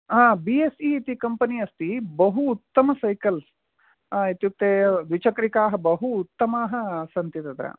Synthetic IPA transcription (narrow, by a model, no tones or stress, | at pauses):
ãːbiesiːt̪ikɐmpɐniɐst̪ibɐɦuːt̪ːɐmɐsɐjkɐl | it̪juk̚t̪eːd̪ʋit͡ʃɐkɐɾikaːɦɐbɐɦuːt̪ːɐmaːɦɐsɐnt̪it̪ɐd̪ɾa̰ː